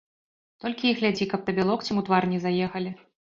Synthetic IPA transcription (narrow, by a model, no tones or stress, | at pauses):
t̪ɔlʲkʲiiɣlʲad͡zʲikɐp̚t̪ɐbʲɛlˠɔkt͡sʲimut̪varnʲɛzajɛxɐlʲi